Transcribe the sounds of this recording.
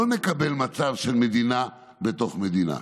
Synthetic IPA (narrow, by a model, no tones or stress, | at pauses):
onekabelmat͡savʃelmed̪ina | bet̪o̞χmed̪ina̰